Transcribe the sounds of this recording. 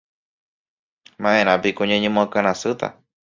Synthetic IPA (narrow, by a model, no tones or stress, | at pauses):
mãʔẽɾ̃ãpikũɲãɲẽmõakaɾ̃ãsɨt̪a̰